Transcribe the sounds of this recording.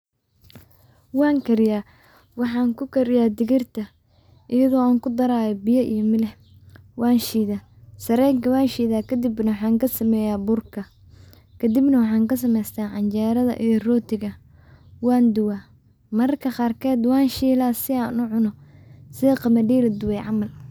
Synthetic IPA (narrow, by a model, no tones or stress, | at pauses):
wɑːŋkʰɐɾɪjaː | wɑħɑːŋkʰʊkʰɐɾɪjaːd̪ɪɣɪrt̪ʰɐ | ʔɪjɐɣɔːaːŋkʰʊd̪ɐɾaːjɔbɪjɐʔḭjɔmɪlɛh | wɑːnʃiːðaː | sɐɾɛːŋkʰɐwaːnʃiːðaːkʰɐd̪ɪbnɐwħɑːŋkʰɐsɐmɛːjaːbʊrkʰɐ | kʰɐd̪ɪbnɐwɑħɑːŋkɐs̬ɐmɛjst̪ʰaːʕɑnt͡ʃɛːɾɐðɐ̰ʔijɞrɔːt̪ʰɪɣɐ | wɑːnd̪ʊwaː | mɐrkʰɐqɑːrkʰɛːd̪wɑːnʃiːlaːsɪaːnʊʕʊnɔsɪðɐqɑmɐɖiːlɐd̪ʊwɛjʕɑmɐl